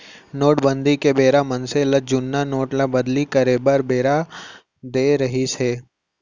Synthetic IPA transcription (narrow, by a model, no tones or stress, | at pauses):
noːʈbə̃nd̪ʱikebeːɾamənseləd͡ʒʊnːanoːʈlabəd̪likəɾeːbəɾbeːɾa | d̪eːɾəɦiseː